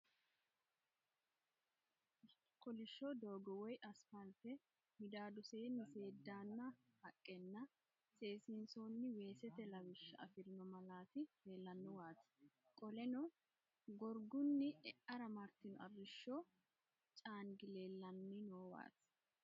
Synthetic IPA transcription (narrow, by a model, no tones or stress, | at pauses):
kɔlɪʃːɔd̪oːɡɔwɔjʔɐspɐlfɛ | mɪd̪aːd̪ʊse̞ːnɪse̞ːd̪ːaːnːɐ | hɐkʼːɛnːɐ | se̞ːsɪnsoːnːɪwe̞ːsɛt̪ɛlɐwɪʃːɐ̰ɐfɪɾɪnɔmɐlaːt̪ɪheːlːɐnːɔwaːt̪ | kʼɔlɛnɔ | ɡɔɾɡʊnːɪɛʔɐɾɐmɐɾt̪ːɪnɔɐbɪʃːɔ | t͡ʃʼaːŋɡɪleːlːɐnːɪnoːwa̰ːt̪